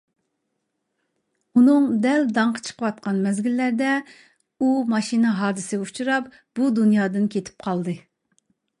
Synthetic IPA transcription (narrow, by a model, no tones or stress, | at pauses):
unɨŋd̪ɛld̪ɑɴqʰə̥t͡ʃʰə̥qʰəwɑt̪̚qɑnmɛzɡʲilːæɾd̪ɛ | umɑʃinɨɦɑːd̪ɨsɪɡʲut͡ʃʰuɾɑp | b̥ud̪unjɑːd̪ɨnkʲʰet̪ʰɪ̥p̚qʰɑlˠd̪ɨ